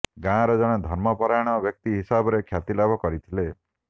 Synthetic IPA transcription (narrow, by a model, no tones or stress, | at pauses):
ɡãɾɔd͡ʒɔɽ̃ed̪ʱɔɾmɔpɔɾaɽ̃ɔbjɔk̚t̪iɦisabɔɾekʰjat̪ilabʱɔkɔɾit̪ʰile